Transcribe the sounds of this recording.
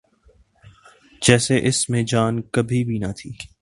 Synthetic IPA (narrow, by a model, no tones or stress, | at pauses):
d͡ʒɛːseʔɪsmẽd͡ʒaːnkɐbʱibʱinɐt̪ʰiː